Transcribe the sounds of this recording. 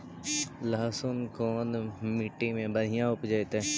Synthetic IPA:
laːsʊnkoːnmiʈːimẽbəɽɪjãʊpd͡ʒəet̪eː

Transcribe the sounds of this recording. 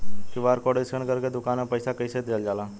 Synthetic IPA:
kiʋaɾkɔɽesənkəɾked̪ʊkanapəjsakəjset̪eld͡ʒaːla

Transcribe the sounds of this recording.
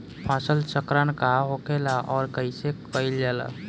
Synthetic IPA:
pʰãːsəlt͡ʃəkɾankaɦokelaʔɔːɾkəisekəild͡ʒaːla̰

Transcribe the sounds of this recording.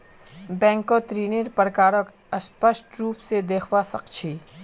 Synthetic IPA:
bɛ̃ːŋkot̪ɾiːniɾpəɾkaːɾək | əspəsʈɾuːpsed̪eːkʰʋasɐqt͡ʃʰiː

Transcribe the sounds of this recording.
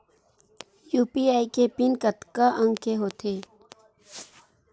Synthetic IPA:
juːpiaːikepɪnkət̪kaʔə̃ŋɡkeɦoːt̪ʰeː

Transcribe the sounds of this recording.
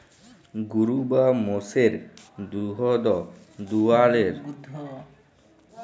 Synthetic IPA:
ɡuɾubamoseɾd̪uɦɔd̪ɔ | d̪ualeɾ

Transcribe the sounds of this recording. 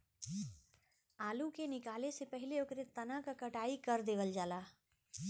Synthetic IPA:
aːlukenɪkaːlesepɛɦɪleʊkɾet̪ɐnãkakɐʈaːikɐɾd̪eːʋəld͡ʒaːlaː

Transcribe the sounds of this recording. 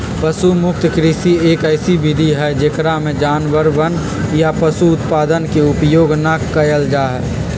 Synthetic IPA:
pəsumʊk̚t̪kɾisieːkəɪsibɪd̪ʱiɦɛd͡ʒeːkɾamẽd͡ʒaːnʋəɾʋən | japəsuʊt̪paːd̪ənkeʊpjoːɡnakəjəld͡ʒaːɦɛː

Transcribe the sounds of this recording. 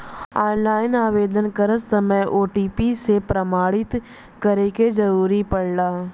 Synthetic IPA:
aːnlaːɪnaːʋeːd̪ənkəɾəsəməjʔoːʈiːpisepɾəmaːɽɪt̪ | kəɾeked͡ʒɐɾuːɾipɐɽlaː

